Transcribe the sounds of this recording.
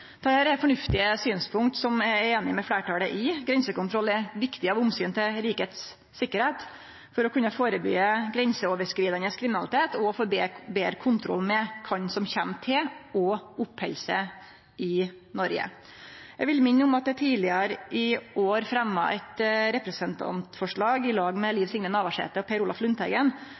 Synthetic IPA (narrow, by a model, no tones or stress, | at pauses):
t̪ʰɑːhæːɾɛfɔɳʉft̪ɪəsyːnspʰʊŋkt̪sɔmɛeːnɪmɛfɽæːʈɑːləʔɪɡɾɛnsəkʊnt̪ʰɾɔlːɛʋɪkt̪ɪɑʋʊmsyːnt̪ʰɪlɾiːkəeːt̪sː | ɪkːəɾheːt̪ | fɔɾɔkʰʉnːəfoːɾəby̰ːəɡɾɛnsəoːʋəʂkɾiːd̪ɑnəskʰɾɪmɪnɑlɪt̪ʰeːt̪ɔfoːbebeːɾəkʰʊnt̪ʰɾɔ̰lːmɛkʰɑɲsɔmçæmt̪ʰɪɔʊphɛlsə | ɪ | nɔɾɡə̰ | ɛʋɪlmɪnːʊmɑt̪̚d̪ɛt̪ʰiːlɪɑɾʔɪʔoːɾfɾɛmːə̰ʔɛt̪ɾɛpɾɛsənt̪ʰɑ̰nt̪fɔʂɭɑːɡɪlɑːɡmɛliːʋsɪŋnənɑːʋɑʂḛːt̪əɔpʰɛɾʊːlɑflʉnt̪ʰhɛ̰ɡən